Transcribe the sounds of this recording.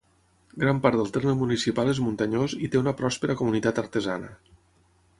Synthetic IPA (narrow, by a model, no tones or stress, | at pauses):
ɡɾampaɾt̪əlˠt̪erməmunisipalˠezmunt̪əɲozit̪eunəpɾɔspəɾəkumunit̪at̪əɾt̪əzanə̰